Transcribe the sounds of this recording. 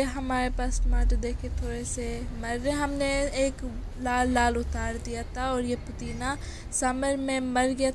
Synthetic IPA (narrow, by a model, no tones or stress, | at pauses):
eɦɐmaːɾepaːsmaːʈd̪eːkʰet̪ʰoːɾesemɐɾːeẽɦɐmneeːk | laːlːaːlʊt̪aːɾd̪ijat̪ʰaɔːɾjepʊt̪iːna | sɐməɾmẽmɐɾɡɐja